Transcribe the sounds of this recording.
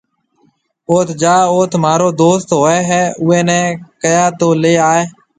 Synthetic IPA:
oːt̪ʰd͡ʒaːoːt̪ʰmaːɾoːd̪oːst̪ɦoːɛːɦɛːʊːẽːnɛ̃ːkəjaːt̪oːleːaːeː

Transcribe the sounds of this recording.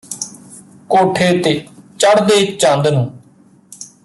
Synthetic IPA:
koːʈʰeːt̪eːt͡ʃəɽd̪eːt͡ʃãnd̪nũː

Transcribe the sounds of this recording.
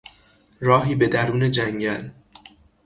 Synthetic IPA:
ɾɒːɦiːbe̞d̪æɾuːne̞d͡ʒæŋɟæl

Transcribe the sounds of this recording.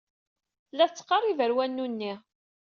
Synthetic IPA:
lːæθt͡sːə̥qːɑrˤivəɾwænːunːi

